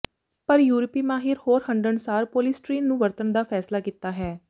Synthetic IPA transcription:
pəɾjuːɾpiːmaːɦɪɾhoːɾhəɳɖəɳsaːɾpoːlɪsʈɾiːnːũːʋəɾt̪ənd̪aːpʰɛːslaːkiːt̪aːɦɛː

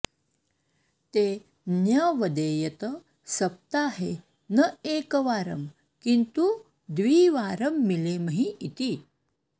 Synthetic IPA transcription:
t̪e | njəʋəd̪ejət̪ə | səɐp̚t̪aɦe | nəekəʋaːɾə̰m | kint̪u | d̪ʋiːʋaɾəmːileməɦĩit̪iː

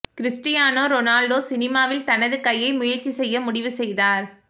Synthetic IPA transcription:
kɾɪsʈɪjaːnoːɾɔnaːlɖoːsɪnɪmaːʋɪlt̪ɐnɐðɯkɐjːɐɪmʊjɐɾt͡ʃisɛjːɐmʊɽɪʋɯsɛjðaːɾ

